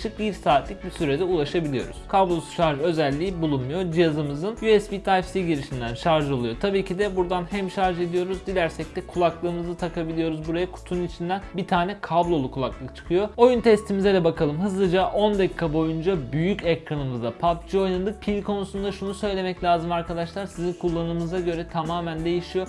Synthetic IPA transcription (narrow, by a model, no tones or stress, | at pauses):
ʃɯk̚biɾsaːt̪lʲic̚bisyɾed̪ɛulˠaʃabilʲijo̞̰ɾṵz̥kʰablˠo̞su̥ʃaɾʒø̞zælʲːiːbulˠunmujo̞d͡ʒijazɯmɯzɯnjuɛsbit̪ʰajfsiɟiɾiʃind̪ænʃaɾʒɯo̞lˠujo̞t̪ʰabiːcʰid̪ɛbuɾd̪anhæmʃaɾʒe̞d̪ijo̞ɾuzd̪ilʲæɾsɛc̚t̪ʰɛkʰulˠaklˠɯːmɯzɯt̪ʰakʰabilʲijo̞ɾuzbuɾajakʰu̥t̪ʰunit͡ʃʰind̪ænbit̪ʰaːnɛkʰablˠo̞lˠukʰulˠaklˠɯkt͡ʃʰɯ̥kʰɯjo̞o̞junt̪ʰɛst̪ʰimizɛd̪ɛbakʰalˠɯmɦɯzlˠɯd͡ʒaʔo̞nd̪ɛkkʰːabo̞jund͡ʒabyjycɛkɾanɯmɯzd̪apʰap̚d͡ʒio̞jnad̪ɯk̚pʰilʲkʰo̞nusund̪aʃunusø̞jlʲe̞mɛclʲaːzɯmaɾkad̪aʃlˠaɾsizinkʰulˠːanɯmɯzaɟø̞ɾɛt̪ʰamaːmænd̪e̞jiʃijo̞